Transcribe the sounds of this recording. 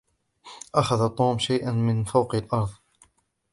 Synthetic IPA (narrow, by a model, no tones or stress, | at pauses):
ʔaxaðat̪ˤuːmʃajʔanmɪnfawqɪlʔɑɾˤðˤ